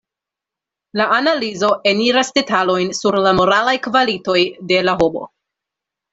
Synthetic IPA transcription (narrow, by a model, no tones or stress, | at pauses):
laʔanalizo̞ʔe̞niɾasde̞talo̞jnsuɾlamo̞ɾalajkvalito̞jde̞laɦobo̞̰